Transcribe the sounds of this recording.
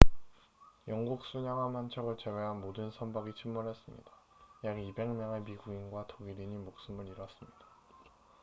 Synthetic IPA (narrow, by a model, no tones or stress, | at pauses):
jʌŋɡuk̚s͈uɲaŋamant͡ɕʰʌɡɯɭt͡ɕe̞ɡeɦanmodɯnsʰʌnbaɡit͡ɕʰimːuɭɦe̞s͈ɯmɲḭda | jaɡibe̞ŋmjʌŋemiɡuinɡwatoɡiɾiɲimok̚s͈ɯmɯɾiɾʌs͈ɯmɲid̥ḁ